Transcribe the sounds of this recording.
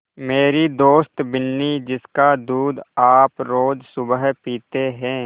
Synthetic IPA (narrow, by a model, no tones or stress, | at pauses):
meːɾid̪oːst̪bɪnːid͡ʒɪskad̪uːd̪aːpɾoːd͡ʒsʊbəɦpiːt̪eɦɛ̃ː